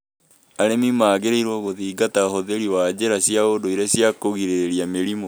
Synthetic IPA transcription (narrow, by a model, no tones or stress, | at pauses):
aɾemimaːɣeɾeiɾwɔɣoðiːɡatahoðeɾiwaːd͡ʑeɾaɕjaodoiɾaɕjakoɣiɾeɾiameɾimo